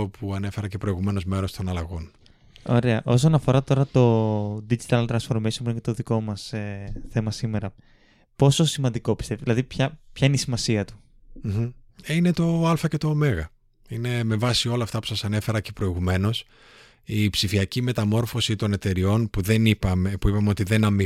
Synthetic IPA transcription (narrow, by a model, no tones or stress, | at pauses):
opʰuɐne̞fe̞ɾɐcepɾo̞iɣume̞no̞zme̞ɾo̞st̪o̞nɐlɐɣo̞n | o̞̰ɾe̞ɐʔo̞s̬o̞nɐfo̞ɾɐt̪o̞ɾɐt̪o̞d̪id͡ʒit̪ɐlt̪ɾɐnsfo̞ɾmisooket̪o̞ðiko̞mɐseθe̞mɐsime̞ɾɐ | po̞sosimɐnd̪iko̞pi̥st̪efðilɐðipçɐpçɐineisimɐsiɐt̪u̥ | inet̪o̞ɐlfɐce̞t̪o̞ːme̞ɣɐ | ine̞me̞vɐsio̞lɐːft̪ɐpu̥sɐsɐne̞fe̞ɾɐcepɾo̞iɣume̞no̞s | ipsifiɐcime̞t̪ɐmo̞ɾfo̞sit̪o̞ne̞t̪e̞ɾio̞npuðeniɐepuipɐmeo̞t̪iðe̞nɐmi